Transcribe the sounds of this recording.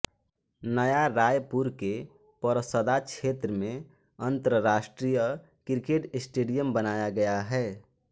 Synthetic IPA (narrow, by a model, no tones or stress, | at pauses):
nəjaɾajpuɾke | pəɾəsəd̪at͡ʃʰet̪ɾəmẽ | ənt̪əɾəɾaːsʈɾijə | kɪɾkeʈɪsʈeːɖijəmbənajaɡɐjaɦɛː